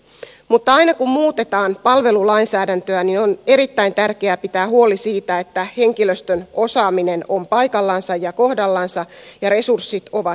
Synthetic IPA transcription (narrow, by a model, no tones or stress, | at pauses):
mut̪ːɑɑjnɑkummuːt̪e̞t̪ɑːnpɑlʋe̞lulɑinsæːdænt̪øænino̞ne̞ɾit̪ːæint̪ærkeæpit̪æːhuo̞lisiːt̪æet̪ːæhe̞ŋkiløst̪øno̞sɑːmine̞no̞mpɑjkɑlːɑnsɑjjɑko̞hdɑlːɑnsɑjɑɾe̞sursːit̪o̞ʋɑ